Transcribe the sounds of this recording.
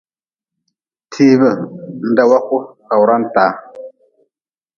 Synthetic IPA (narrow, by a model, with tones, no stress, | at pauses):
tʰi˦bə˨n˦da˨wa˦ku˦ka˨wɾa˦nta˨